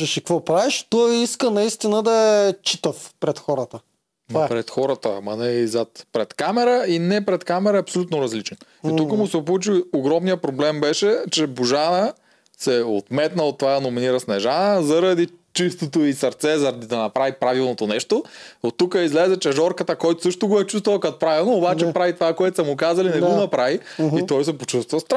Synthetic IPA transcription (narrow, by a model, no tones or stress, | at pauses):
ɛʃikvɔpɾaviʃt̪ɔiskənɐist̪inəd̪ɐɛt͡ʃit̪əfpɾɛt̪xɔɾət̪ə | pɾɛt̪xɔɾət̪əmɐnɛizat̪pɾɛt̪kamɛɾəinɛpɾɛt̪kamɛɾɐɐpsolʲut̪noɾɐzlit͡ʃɛn | it̪ukəmʊsɛp̬ʊlˠut͡ʃioɡɾɔmnijəpɾoblɛmbɛʃɛt͡ʃɛbuʒanə | sɛo̰t̪mɛt̪nəot̪ːovanominiɾɐsnɛʒanəzɐɾɐd̪it͡ʃist̪ot̪oisɐɾt̪sɛzɐɾɐd̪id̪ɐnɐpɾavipɾavilˠnot̪onɛʃt̪oot̪ːukəizlɛzɛt͡ʃɛʒɔɾkət̪əkɔjt̪ʊ̥sɤʃt̪oɡoɛt͡ʃust̪vəkat̪pɾavilˠnoːbat͡ʃɛpɾavit̪ovakoɛt̪osɐmukazɐlinɛɡonɐpɾaviit̪ɔjsɛpot͡ʃust̪vɐst̪ɾa